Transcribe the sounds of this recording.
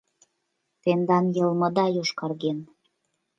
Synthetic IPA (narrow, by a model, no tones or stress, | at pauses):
t̪end̪ɑnjɤ̆lmɤ̆d̪ɑjoʃkɑrɣen